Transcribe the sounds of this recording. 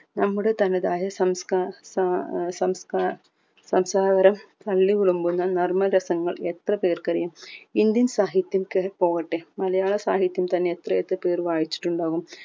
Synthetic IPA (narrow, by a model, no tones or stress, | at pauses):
nɐmːuɽet̪ɐnːɐðaːjɐsɐmskassɐmska | sɐmsaːɡɐɾɐmt̪ɐlːiʋiɭumbunːɐnɐrmɐlɾɐsɐŋːɐɭet̪rɐpeːrkɐrijɐmind̪jɐnsaːɦit̪jɐmkepo̞ːɣɐʈːemɐlɐjaːɭɐsaːɦit̪jɐmt̪ɐnːeet̪rɐet̪ːɨpeːrʋaːjit͡ɕːi̥ʈːuɳɖaːɣum